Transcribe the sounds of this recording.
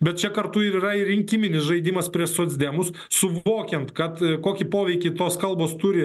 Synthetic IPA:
bʲɛt̪̚t͡ʃʲɛkɐɾt̪ʊɪɾiːrɐɪɾʲɪŋʲkʲimʲɪnʲɪsʒɐɪd̪ʲimɐspʲɾʲiɛʃsoːzʲd̪ʲɛmʊs | sʊʋoːkʲɛnt̪kɐt̪koːkʲɪpoːʋʲɛɪkʲɪt̪oːskɐlˠboːst̪ʊɾʲɪ

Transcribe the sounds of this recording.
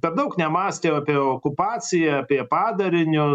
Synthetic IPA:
pʲɛrd̪ɐʊknʲɛmɑːsʲt̪ʲeːɐpʲiɛoːkʊpɑːt͡sʲɪjɛɐpʲiɛpɑːd̪ɐɾʲɪnʲʊ

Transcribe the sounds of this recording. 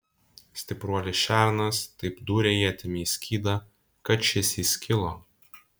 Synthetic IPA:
sʲt̪ʲɪpɾuɔlʲɪʃʲæˑɾnɐst̪ɐɪpd̪uːɾʲɛjiɐt̪ʲɪmʲiːsʲkʲiːd̪ɐ | kɐt͡ʃʲɪsʲisʲkʲɪlˠoː

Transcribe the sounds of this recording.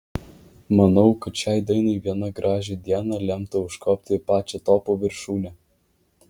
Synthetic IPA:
mɐnɐʊkɐt̪ʃʲæːˑɪd̪ɐɪnɐɪʋʲiɛnɐɡɾʔɑːʒʲed̪ʲiɛnɐlʲɛmt̪ɐʊʃkɔːp̚ʲt̪ʲɪpɑːt͡ʃʲɛt̪ɔːpoʋʲɪɾʃuːnʲɛ

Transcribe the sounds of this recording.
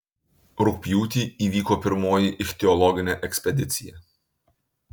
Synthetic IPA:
ɾʊkpʲjuːt̪ʲiːiːʋʲiːkoːpʲɪɾmoːjiʔɪxʲt̪ʲɛɔlˠɔɡʲɪnʲeʔɛksʲpʲɛd̪ʲɪt̪sʲɪjɛ

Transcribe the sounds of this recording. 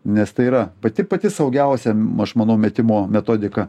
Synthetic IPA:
nʲɛst̪ɐɪiːɾɐpɐt̪ʲɪpɐt̪ʲɪsɐʊɡʲɛʊsʲɛɐʃmɐnɐʊmʲɛt̪ʲɪmoːmʲɛt̪oːd̪ʲɪkɐ

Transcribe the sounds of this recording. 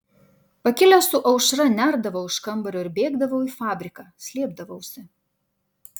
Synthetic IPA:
pɐkʲɪlʲɛsʊʔɐʊʃɾɐnʲæːˑɾd̪ɐʋɐʊɪʃkɐmbɐɾʲoɪɾbʲeːɡd̪ɐʋɐʊiːfɑːbʲɾʲɪkɑːsʲlʲiɛb̚d̪ɐʋɐʊsʲɪ

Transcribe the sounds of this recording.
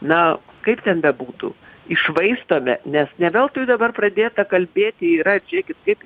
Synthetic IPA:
nɐkɐɪpt̪ʲɛnbʲɛbuːt̪ṵːɪʃʋɐɪst̪oːmʲɛnʲɛsnʲɛʋʲeːlˠt̪ʊjd̪ɐbɐrprɐd̪ʲeːt̪ɐkɐlʲbʲeːt̪ʲɪiɾɐd͡ʒʲeːkʲɪt̪kɐɪp

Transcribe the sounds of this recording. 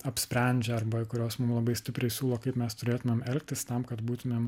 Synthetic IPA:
ɐpʲsʲpʲɾʲɛnʲd͡ʒʲɛɐrbɐkʊɾʲoːsmʊmlˠɐbɐɪsʲt̪ʲɪpʲɾʲɛɪsʲuːlˠoːkɐɪpmʲɛst̪ʊɾʲeːt̪ʊmʲeːmɛlʲk̚t̪ʲɪst̪ɑmkɐt̪buːt̪ʊmʲeːm

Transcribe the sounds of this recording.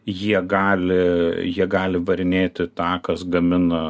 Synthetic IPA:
jiɛɡɑːlʲɪjiɛɡɑːlʲɪʋɐɾʲɪnʲeːt̪ʲɪt̪ɑːkɐsɡɐmʲɪnɐ

